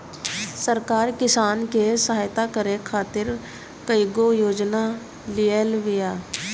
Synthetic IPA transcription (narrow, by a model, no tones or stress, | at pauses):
səɾkaːɾkɪsaːnkesəɦaːjt̪akəɾekʰaːt̪ɪɾ | kəiɡojoːd͡ʒna | lijelʋɪjaː